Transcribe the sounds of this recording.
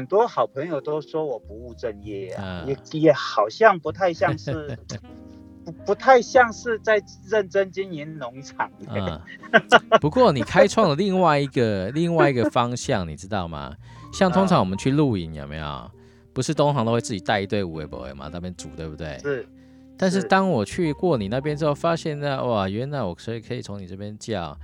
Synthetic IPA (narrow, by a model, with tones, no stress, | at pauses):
ə˨˩nt̪wɔ˥xɑ˨˩ʊpʰə˧˥ŋjo˨ʊt̪o˥ʊʂwɔ˥wɔ˨˩pu˧˦u˥˧ʈ͡ʂə˥˧njɛ˥˩a̰˨˩˨jɛ˨˩jɛ˨˩xɑ˨˩ʊɕjɑ˥˨ŋpu˧˥t̪ʰa˥˧ɪɕjɑ˥˧ŋʂ̩˥˩ | u˧˦pu˧˥t̪ʰa˥˧ɪɕjɑ˥˧ŋʂɻ̩˥˧t͡sa˥˧˩ɪ | ɻə˥˩nʈ͡ʂə˥nt͡ɕi˥ni˧˦nnʊ˧˥ŋʈ͡ʂʰɑ˨˩ŋə˩ | pu˧˦kwɔ˥˨ni˨˩kʰa˥ɪʈ͡ʂʰwɑ˥˩ŋd̪ə˩li˥˧ŋwa˥˩ɪi˧˥ɡə˨li˥˧ŋwa˥˩ɪi˧˥ɡə˨fɑ˦ŋɕjɑ˥˩ŋni˨˩ʈ͡ʂɻ̩˥t̪ɑ˥˩ʊmɐ̰˩ɕjɑ˥˩ŋt̪ʰʊ˥ŋʈ͡ʂʰɑ˧˦ŋwɔ˨˩ə˦nt͡ɕʰy˥˧lu˥˧i˧˥njo˨˩ʊmḛ˧˥ɪjo̰˨˩ʊ | pu˧˥ʂɻ̩˥˩t̪ʊ˥ŋɦɑ˧ŋo˥xwe˥˧t͡s̩˥˩t͡ɕi˨˩t̪a˥˧ɪi˧˥t̪we˥˩ɪu˨˩wḛ˧˥ɪpɔ̰˨˩wḛ˧ɪmɐ̰˨t̪a˥˧pjɛ˥nʈ͡ʂu˨˦t̪we˥ɪbu˧˩t̪wḛ˥˩ɪ˥˩ | t̪a˥˧nʂ̬ɻ̩˥˩t̪ɑ˥ŋwɔ˨˩t͡ɕʰy˥˧kwɔ˥˩ni˨˩na˥˩p̬jɛ˥nʈ͡ʂ̩˥˩o˥˩fa˥ɕjɛ˥˧nd̪a˥˧wa˨˩ɥɛ˧˥na˧˩ɪwɔ˨˩kʰɤ˧˥i˨˩kʰɤ˧˥i˨˩t͡sʰo˧˥ŋni˨˩ʈ͡ʂə˥˩pjɛ˥nt͡ɕjɑ˥˨˩ʊ